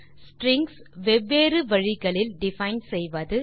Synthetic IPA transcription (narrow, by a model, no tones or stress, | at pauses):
ssʈɾɪŋɡsʋɛbeːɾɯʋɐɻɪɣɐɭɪlɖɪfɐɪnsɛjʋɐðɯ